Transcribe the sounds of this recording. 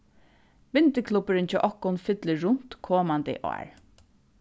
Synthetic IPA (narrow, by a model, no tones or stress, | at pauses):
ʋɪnt̪ɪkʰlupɪɾɪnt͡ʃɔʔɔhkːʊnfɪt̪lɪɹʊn̥t̪kʰoːmant̪ɪ̰ʔɔ̰ːɹ